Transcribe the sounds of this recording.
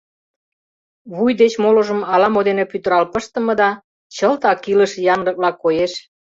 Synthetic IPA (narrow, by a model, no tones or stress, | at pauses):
βujd̪et͡ɕmoloʒə̆mɑlɑmod̪enepyt̪əɾɑlpəʃt̪ə̆mɤ̆d̪ɑ | t͡ɕəlt̪ɑkilə̆ʃjɑnlɤ̆k̚βlɑkːojeʃ